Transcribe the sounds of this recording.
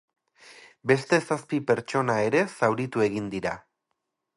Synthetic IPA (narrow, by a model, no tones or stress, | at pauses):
be̞st̪e̞saspipe̞ɾt͡ʃo̞nae̞ɾe̞sawɾit̪ue̞ɣ̞ind̪iɾa